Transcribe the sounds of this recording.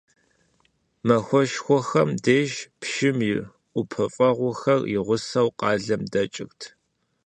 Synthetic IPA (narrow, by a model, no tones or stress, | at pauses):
mɐxʷɔʃxʷɔxɐmdeːʒpʃɪmɪr | ʔʷʊpʰɐfʼɐʁʷʊxɐrjɪʁʷʊsɐwqɑːɮɐmdɐt͡ʃʼɪxtʰ